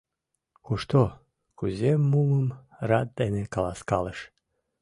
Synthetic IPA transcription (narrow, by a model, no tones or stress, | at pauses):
kuʃt̪o | kuzʲemːuləm | rad̪̚d̪enekalˠaskɑlˠəʃ